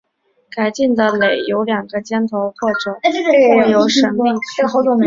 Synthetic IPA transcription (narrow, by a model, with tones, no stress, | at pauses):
ka˨˩ɪt͡ɕi˥˩nd̪ə˩le˨˩˦ɪjo˧˥ʊljɑ˨˩ŋɡə˦t͡ɕjɛ˥nt̪ʰo˧˥ʊxwɔ˥˩ʈ͡ʂɤ˨˩˦jo˧˥ʊʂə˧˥ŋmi˥˩ŋ˥˩xo˧˥ʊt̪ʊ˨˩